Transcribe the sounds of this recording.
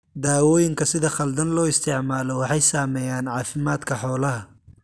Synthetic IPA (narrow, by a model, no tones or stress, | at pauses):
d̪aːwɔːjɪŋkʰɐsɪðɐχɐld̪ɐnlɔːɪst̪ʰɛʕmaːlɔwɑħɑjsaːmɛjaːnʕɑːfɪmaːd̪kʰɐħɔːlɐɦɐ